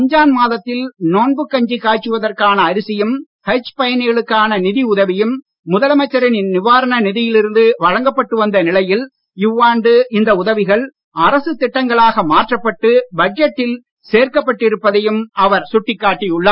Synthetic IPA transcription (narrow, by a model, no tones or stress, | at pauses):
pɐɲd͡ʒaːnmaːðɐt̪ːɪlnoːnbɯkːɐɲd͡ʒikːaːʈt͡ʃːɯʋɐðɐrkaːnɐːɾɪsɪjɐm | hɐt͡ʃːpɐjɐnɪɣɐɭɯkːaːnɐnɪðiʊðɐʋɪjɯmː | ʊðɐlɐmɐt͡ʃːɐɾɪnɪnnɪʋaːɾɐnɐnɪðɪjɪlɪɾɯnd̪ɯʋɐɻɐŋɡɐpːɐʈːɯʋɐnd̪ɐnɪlɐjɪl | ɪʋːaːɳɖɯɪnd̪ɐʊðɐʋɪɣɐɭ | ɐɾɐsɯt̪ːɪʈːɐŋɡɐɭaːɣɐmaːʈrɐpːɐʈːɯbɐd͡ʒɐʈːɪl | seːɾkɐpːɐʈːɪɾɯpːɐðɐjɯmɐʋɐɾsʊʈːɪkːaːʈːɪjʊɭːaː